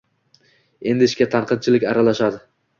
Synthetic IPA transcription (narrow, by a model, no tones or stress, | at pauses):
e̞nd̪ɪʃkʲat̪ʰanqʰɨd̪̚t͡ʃʰɪlɪkʲaɾalaʃad̪ɪ